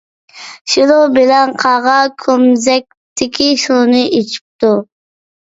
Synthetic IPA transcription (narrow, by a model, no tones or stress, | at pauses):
ʃilobɪlɛnqʰɑʁɑkʲʰømzɛk̚ʲt̪ʰːɪkʲʰiʃunɨʔet͡ʃʰi̥p̚t̪u